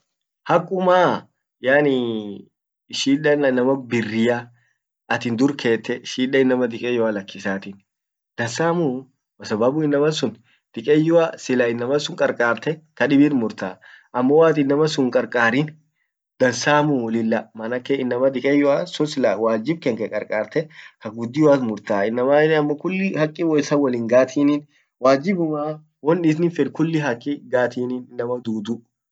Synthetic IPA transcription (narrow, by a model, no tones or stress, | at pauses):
hɐkʼːʊmaː | jaːnɪ | ʃiːᶑɐnɐnːɐmɐbɪrːɪja | ɐt̪ɪnd̪ʊɾkʰe̞ːt̪ːɛʃiːᶑɐɪnːɐmɐd̪ɪkʼɛjɔalɐkːɪsaːt̪ɪn | d̪̥ɐnsaːmu | mɐsɐbɐbʊɪnːɐmɐsʊn | d̪̥ɪkʼɛjːʊasɪlɐɪnːɐmɐsʊŋkʼɐɾkʼaːɾt̪ɛk̪ɐᶑɪbiɾmʊɾt̪a | ʔɐmːɔwaːt̪ɪnːɐmɐsʊŋkʼɐɾkʼaːɾɪn | d̪̥ɐnsaːmʊwɔlɪlːɐmɐnɐkːeɪnːɐmɐd̪ɪkʼɛjʊasʊnsɪlawaːd͡ʒɪb̚kɛŋkɛkʼɐɾkʼaːɾt̪ɛhɐɡʊd̪ːɪwaːt̪mʊɾt̪aːɪnːɐmanɐmːɐkʊlːɪhɐkʼːɪwɔɪsɐwɐliːŋɡaːt̪ʰiːnin | waːd͡ʒɪbʊmaː | wɔnᶑɪs̬nɪfɪɾkʊlːɪɦɐkʼːɪɡaːt̪iːniːnɪnːɐmɐd̪uːd̪ʊ